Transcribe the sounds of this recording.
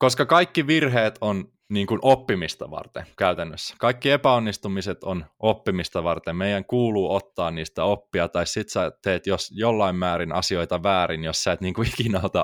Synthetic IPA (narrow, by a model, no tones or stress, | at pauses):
koskɑkɑikːiʋirɦeːt̪on | niːŋkunʔopːimist̪ɑ̰ʋɑ̰rt̪ḛŋkæyt̪ænːøsːæ̥kɑikːiepæonːist̪umiset̪onʔopːimist̪ɑʋɑrt̪emmeijæŋkuːluːot̪ːɑːnniːst̪æopːiɑt̪ɑissit̪sɑtt̪eːt̪josjolːɑimːæːɾinɑ̰sio̞it̪ɑʋæːɾinjossiæːˑt̪niːŋkuikinɑot̪ɑ